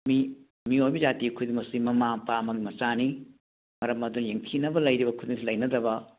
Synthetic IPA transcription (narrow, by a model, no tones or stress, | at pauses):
mi | miojbid͡ʒatikʰudimɐsimɐmaŋpamɐɡimɐt͡ʃani | mɐɾɐmɐdunjeŋtʰinɐbɐlɐjɾibɐkʰud̪iŋsilɐjnɐdɐbɐ